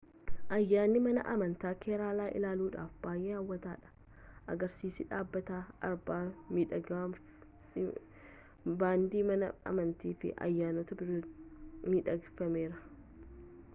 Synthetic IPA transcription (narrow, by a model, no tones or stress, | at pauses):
ʔɐjːaːnːɪmɐnɐ̰ʔɐmɐnt̪aːkʰeːɾaːlaːʔɪ̰laːluːᶑa̰ːfb̥aːjʔɛɾaːwːɐt̪aːᶑɐ̥ | ʔɐɡɐɾsiːsɪᶑaːbːɐt̪aːɐ̰ɾbaːmi | baːnd̪iːmɐnɐɐ̰mɐnt̪iːfɪ̰ʔɐ̰jːaːnɔt̪ɐbɪɾ | miːᶑɐɡfɐmeːɾɐ